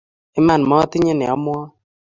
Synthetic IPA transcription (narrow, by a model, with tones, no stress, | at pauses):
ɪ˦ma˦˨n˨mɔ˦tɪ˦ɲɪ˦nɛ̰˨ɔ˨˦m˦ɔ˦